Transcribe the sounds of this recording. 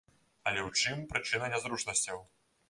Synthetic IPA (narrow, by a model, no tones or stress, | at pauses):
ɐlʲɛwt͡ʂɨmpɾɨt͡ʂɨnɐnʲɛzɾut͡ʂnɐsʲt͡sʲɐw